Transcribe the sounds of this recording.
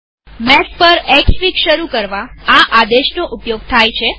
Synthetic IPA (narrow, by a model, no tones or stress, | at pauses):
mɛspəɾɛkʃʋikʃəɾukəɾʋaaʔad̪eʃnoʔupjoɡ̚t̪ʰajt͡ʃʰe